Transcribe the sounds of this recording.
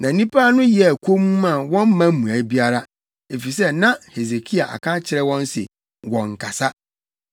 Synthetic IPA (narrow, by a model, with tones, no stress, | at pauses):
nã˨˦nĩ˦pʰa˦nʊ̃˦jɛ˨kʰo˦mũ˦mã˨wɔ̃˦m˦mã˦mũ˨a˨˦bi˦a˦ɾa˦ | e˨fi˨s̬ɛ˦nã˦he˨ze˨kʰi˦a˨ʔa̰˨kʰã˦t͡ɕʰɪ˨ɾɛ˦wɔ̃˦n˦sɪ̰˨ | wɔ̃˨ŋ̩˨kʰa˨sa˦